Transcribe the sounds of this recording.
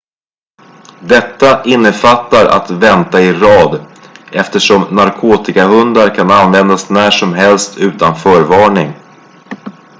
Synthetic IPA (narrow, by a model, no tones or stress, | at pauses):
d̪ɛt̪ːaʔɪnːəfat̪ːaɾʔa̰t̪vɛnt̪aɪɾɑːd̪ɛft̪əʂɔmnaɾkʰoːt̪ɪkaɦɵnd̪aɾkʰananvɛnd̪asnæːʂɔmɦɛlst̪ʰʉ̟ːt̪anfœːɾvɑːɳɪŋ